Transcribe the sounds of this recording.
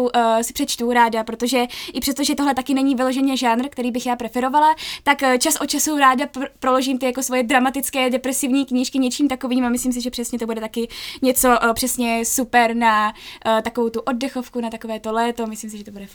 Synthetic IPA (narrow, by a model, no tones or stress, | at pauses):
wsɪ̥pr̥ɛt͡ʃt̪uɾaːdapɾot̪o̞ʒɛʔɪpr̥ɛs̬t̪o̞ʒɛt̪o̞ɦlɛt̪akɪnɛɲivɪlo̞ʒɛɲɛʒaːnr̩kt̪ɛɾiːbɪxjaːpɾɛfɛɾo̞valat̪akːt͡ʃasʔot͡ʃasuɾaːdapɾo̞lo̞ʒiːmt̪ɪjako̞svo̞jɛdɾamat̪ɪt͡skɛːdɛpɾɛsɪvɲiːkɲiʃkɪɲɛt͡ʃiːmt̪ako̞viːmamɪsliːms̬ɪʒɛpr̥ɛsɲɛt̪obudɛt̪akɪɲɛt͡so̞ʔpr̥ɛsɲɛsupɛɾnat̪akovowt̪uʔo̞dːɛxo̞fkunat̪ako̞vɛːt̪o̞lɛːt̪o̞mɪsliːms̬ɪʒɛt̪obudɛ